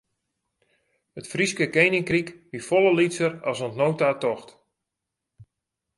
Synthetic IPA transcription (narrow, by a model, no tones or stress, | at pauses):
ətfriskəkejnɪŋkrikʋifɔlˠəlisəɾɔsɔntnowtatɔxt